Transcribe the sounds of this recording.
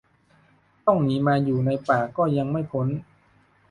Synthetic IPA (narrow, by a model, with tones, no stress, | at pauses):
t̪ɔ˥˩ŋniː˨˦˥maː˧juː˨˩na˧jpaː˨˩kɔː˥˩ja˧ŋma˥˩jpʰo˦˥n